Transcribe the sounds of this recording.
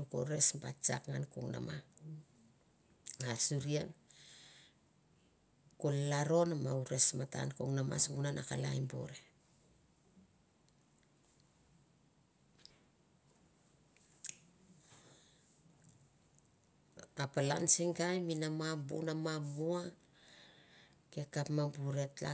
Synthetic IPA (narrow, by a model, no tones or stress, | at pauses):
uko̰ɾe̞sbat͡ʃa̰kŋankoŋna̰ma | asuɾian | kolaɾo̞namauɾe̞smata̰nkoŋnama̰sbunanakala̰jmbo̰ɾe̞ | apalansiŋɡajminamabṵnamamua | ke̞kapmabuɾe̞tla̰